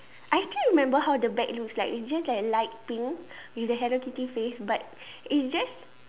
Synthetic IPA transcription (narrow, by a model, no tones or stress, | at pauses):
ʔajkĩɹimɛ̃mbəhawdəbɛk̚lukslaɪkitsd͡ʒaslajklaɪt̚pĩŋ | widəɦɛɾəkitifesbat̚ | itsd͡ʒas